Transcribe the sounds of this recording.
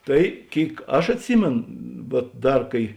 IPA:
ˈtɐɪ ˈkʲeːɪk ˈɐʃ ɐtʲˈsʲiːmʲeːn ʋuɔt ˈdɐr ˈkɐɪ

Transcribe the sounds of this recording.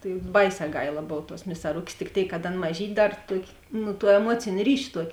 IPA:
tɐɪ ˈbɐɪˌsʲɛː ˈɡɐɪlˠɐ ˈboːw tuɔs mʲɪsɐˈrʊkʲeːs tʲɪk ˈtʲeːɪk kɐt ˈɐn mɐˈʒʲiːtʲ ˈdɐr ˈtuɔkʲeː ˈnʊ tuɔ ɛˈmuɔt͡sʲeːnʲ ˈrʲiːʃʲ ˈtuɔkʲ

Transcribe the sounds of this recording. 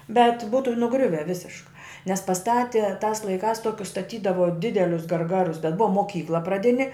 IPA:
bʲɛt ˈbuːtʊ nʊˈɡrʲʊʋʲɛ ˈʋʲɪsʲɪʃkɐ nʲɛs pɐˈstɑːtʲɪ tɑːs lˠɐɪˈkɑːs ˈtoːkʲʊs stɐˈtʲiːdɐʋoː ˈdʲɪdʲɛlʲʊs ɡɐrˈɡɑːrʊs bʲɛt ˈbʊɐ moːˈkʲiːklˠɐ prɐˈdʲɪnʲɪ

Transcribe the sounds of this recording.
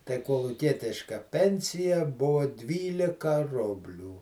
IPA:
tɐɪ koːlˠʊˈkʲiɛtʲɪʃkɐ ˈpʲɛnʲsʲɪjɛ ˈbʊʋoː ˈdʲʋʲiːlʲɪkɐ ˈrʊbʲlʲuː

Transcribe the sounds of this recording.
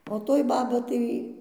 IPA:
oː ˈtoːj ˈbɑːbɐ tɐɪ

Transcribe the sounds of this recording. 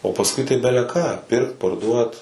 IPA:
oː pɐsˈkʊɪ tɐɪ bʲɛlʲɛˈkɑː ˈpʲɪrkt pɐrˈduɔt

